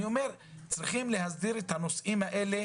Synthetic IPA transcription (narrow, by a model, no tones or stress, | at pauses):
io̞me̞ʁ | t͡sʁiχimle̞ɦazdiɾet̪hanosʔimhaʔe̞le